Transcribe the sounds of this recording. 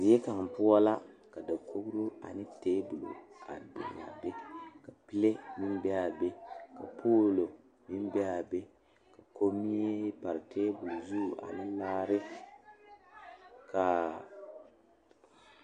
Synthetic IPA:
zi˨˦e˦ka˨ŋ˨pʊ˦ɔ˦la˦ka˨da˨kʰo˦ɡɾu˦a̰˨nɪ˦teː˦bʊ˨lo̰˨a̰˨do̰˨na̰˨be˦ka˨pɪ˦le˦mɪ˦m˦bɛ˦a˨be˦ka̰˨pʰoː˦lo˨ | mɪ˦m˦bɛ˦a˨be˦ | ka˨ko˦mi˦e˦pa˨ɾɪ˨tʰeː˦bʊ˨lu˨zu˦˨ʔa̰˨nɪ˦laː˦ɾɪ˦ | kʰa˨

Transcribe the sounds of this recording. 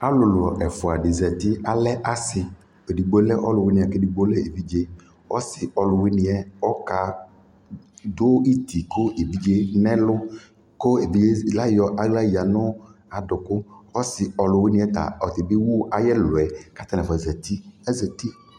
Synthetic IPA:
a˦lʊ˨lʊ˨ʔɛ˨fʊ˨a˨ɖɪ˨zɛ˨t̪ɪ˦a˨lɛ˦ʔa˨sɪ˨ | e˨ɖi˨ɡ͡bo˦lɛ˦ʔɔ˦lʊ˨wɪ˦nɪ̃˨ɛ˨ke˦di˨ɡ͡bo˦lɛ˦e˨vi˦d͡ʒe˦ | wɔ̰˦sɪ˨ʔɔ˨lʊ˨wɪ˦nɪ˦ɛ˨ɔ˦ka˨ | d̪ʊ˦i˦t̪ʰi˨kʊ˦e˨vi˦d͡ʒe˦nɛ̃˦lʊ˦ | kʊ˦e˨vi˦d͡ʒe˦la˦jɔ˨ʔa˦ɡla˦ji˨a˨nʊ˦a˨dʊ˨kʊ˦ɔ˦sɪ˨ɔ˨lʊ˨wɪ˦nɪ̃˦ɛ˦t̪a̰˨ɔ˨t̪ɪ˨bɪ˦wʊ˦ʔa˨jɛ˦lʊ˨ɛ˨ka˦t̪a˦nɛ˨fɛ˨zɛ˨t̪i˦ɛ˦zɛ˨t̪i˦

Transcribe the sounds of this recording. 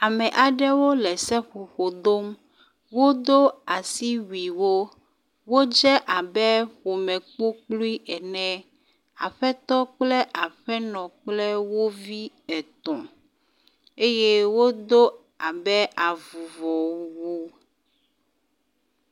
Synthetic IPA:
a˨mɛ̃˨ʔa˨ɖɛ˦wo˦lɛ˨sɛ˦ɸo˨xo˨d̪o˦m | wo˦d̪o˦a˨si˦wi˨wo˦ | wo˦d͡ʒɛ˦ʔa˨bɛ˦xo˨mɛ̃˨k͡po˦k͡plu˦i˦ʔɛ˨nɛ̃˦ | a˨ɸɛ˦t̪ɔ˦k͡plɛ˦ʔa˨ɸɛ˦nɔ̃˨k͡plɛ˦wo˦vi˦ | ɛ˨t̪ɔ̃˨ | e˦je˦wo˦d̪o˦ | a˨bɛ˦a˨vu˨vɔ˨wu˦

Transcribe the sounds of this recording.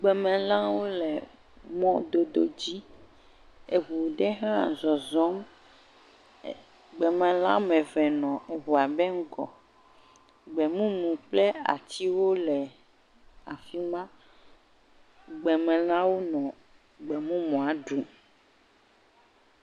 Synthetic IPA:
ɡ͡bɛ˨mɛ̃˨lã˦wo˦lɛ˨ | mɔ̃˦d̪o˨d̪o̰˦d͡ʑi˦ | e˨βu˨ɖɛ˦ɦã˦˨zɔ˨zɔ˦m˨ | ɡ͡bɛ˨mɛ̃˨lã̰˦mɛ̃˨vɛ˨nɔ̃˨ɦu˨a˨bɛ˦ŋ̩˦ɡɔ̰˨ | ɡ͡bɛ˨mũ˦mũ˨k͡plɛ˦a̰˨t̪i˦wo˦lɛ˨ | a˨fi˦mã˦ | ɡ͡bɛ˨mɛ̃˨lã˦wo˦nɔ̃˨ | ɡ͡bɛ˨mũ˦mɔ̃˨a˨ɖu˨

